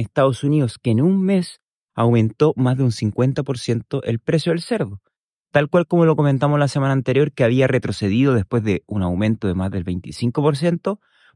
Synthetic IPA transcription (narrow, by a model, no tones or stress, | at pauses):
est̪aðosuniðo̞skeːnunme̞s | awmẽ̞nt̪o̞mazðeunsiŋkwe̞nt̪apo̞ɾsje̞nt̪oʔelpɾe̞sjoðelse̞ɾðo | t̪alkwalko̞mo̞lo̞ko̞ment̪amozlasemanaːnt̪e̞ɾjo̞ɾkeaβiaret̪ɾo̞se̞ðiðoðespwe̞zðeunawmẽ̞nt̪oðe̞mazðe̞lβejnt̪isiŋko̞po̞ɾs̬je̞nt̪o̞